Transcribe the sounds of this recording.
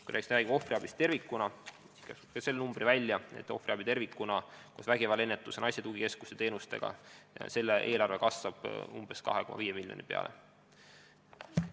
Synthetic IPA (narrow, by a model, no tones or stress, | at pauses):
kujɾʔæːkːst̪ræːɡibo̞friɑb̥ist̪e̞rvikːˑunɑ | si̥skæsupkɑse̞lːenumb̥rivælʲːjɑe̞̰t̪ːˑo̞friɑbit̪e̞rvikːˑunɑkusvæɡevɑle̞nːet̪ːˑusenɑjsʲɑt̪uɡike̞skust̪et̪eːnust̪e̞̰ɡ̥ɑ̰se̞lːeʔe̞ːlɑrve̞kɑsvɑb̥umb̥e̞skɑ̰ɦeko̞mɑ̰viːemilʲːjo̰nipe̞̰ɑ̰lʔḛ